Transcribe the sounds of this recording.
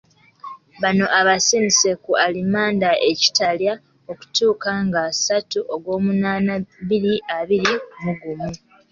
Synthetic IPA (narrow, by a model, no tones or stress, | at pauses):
βano̞ʔaβasimise̞kualimaːndaʔeci̥talja | oku̥tuːkaŋɡasatuʔoɡwo̞ːmunaːnaβiɾiʔaβiɾimuɡumu